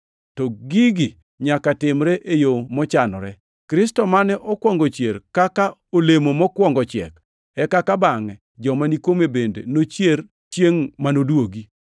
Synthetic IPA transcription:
tɔɡiɡi | ɲakatɪmɾɛʔejomɔt͡ʃanɔ̰ɾɛ | kɾɪstɔmanɛʔɔkwɔŋɡɔt͡ʃjeɾkakaolemomɔkwɔŋɡɔt͡ʃɪɛ̰k | ɛkakabaŋɛ | d͡ʒɔmanikomebendḛnot͡ʃjer | t͡ʃjeŋmanodwoɡi

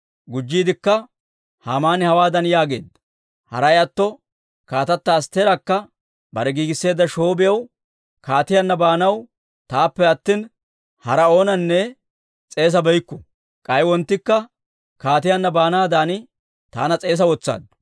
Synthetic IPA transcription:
ɡʊd͡ʒːiːd̪ɪkːɐ | haːmaːnɪhɐwaːd̪ɐnjaːɡe̞ːd̪ | hɐ̰ɾɐjɐt̪ːɔ | kaːt̪ɐt̪ːɐːst̪ːeːɾɐkːɐ | bɐɾɛɡiːɡɪsːe̞ːd̪ːɐʃo̞ːbɪjɐw | kaːt̪ɪjɐnːɐbaːnɐw | t̪aːpːɛɐt̪ːiːn | hɐɾɐo̞ːnɐnːɛ | t͡sʼe̞ːs̬ɐbɛjkːɔ | kʼɐjwɔnt̪ːɪkːɐ | kaːt̪ɪjɐnːɐbaːnaːd̪aːnɪ | t̪a̰ːnɐt͡sʼe̞ːs̬ɐwɔt͡sːa̰ːd̪

